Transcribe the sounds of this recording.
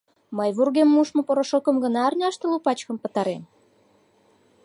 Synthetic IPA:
məjβurɣemːuʃmopoɾoʃokəmɡənɑːrnʲɑʃt̪elupɑt͡ɕkəmpə̆t̪ɑɾem

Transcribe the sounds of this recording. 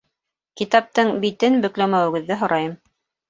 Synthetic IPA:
kit̪ɑp̚t̪ɤɴbit̪ɘnbɵ̆klæmæwɘ̆ɡɘ̆ðːɘɦŏɾʔɑjɤm

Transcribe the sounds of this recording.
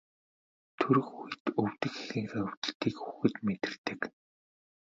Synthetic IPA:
t̪ʰɵɾɵ̆xuj̆t̪ɵw̥t̪ɘ̆xxexɘ̆ŋxæɵw̥ʲt̪ə̆ɬt̪iːkxuxɘ̆t̪met̪ɪ̆rt̪ɘ̆k

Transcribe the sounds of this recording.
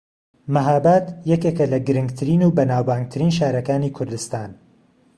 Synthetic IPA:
mɐɦaːbaːt̪jɛkekɐlɐɡɨɾɨŋɡt̪ʰɨɾiːnuːbɐnaːwbaːŋɡ̚t̪ʰɨɾiːnʃaːɾɐkaːniːkʰʊɾd̪ɨst̪aːn

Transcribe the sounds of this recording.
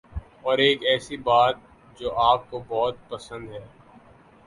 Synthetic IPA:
ɔːɾeːkɛːsibaːt̪̚ | d͡ʒoːʔaːp̚kobɔɦt̪̚pɐsə̃nd̪ɦɛː

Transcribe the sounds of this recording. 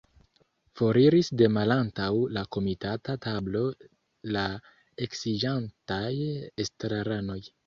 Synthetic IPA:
fo̞ɾiɾisde̞malantawlako̞mitatatablo̞ | la | e̞ksid͡ʒantajestɾaɾano̞j

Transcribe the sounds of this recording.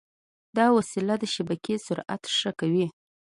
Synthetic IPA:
d̪ɑwasilad̪əʃabakesʊɾa̰t̪ʂəkawi

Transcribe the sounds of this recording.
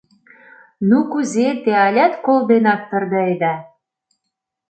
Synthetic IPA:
nukuzet̪eɑlʲæt̪kold̪enɑk̚t̪ɤ̆rd̪ə̆ed̪ɑ

